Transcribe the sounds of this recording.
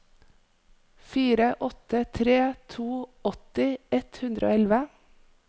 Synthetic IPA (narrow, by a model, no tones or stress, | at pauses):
fiːɾəʔɔt̪ət̪ʰɾeːt̪ʰuːɔt̪ɪɛt̪hʉnd̪ɾʔo̰ːɛlʋə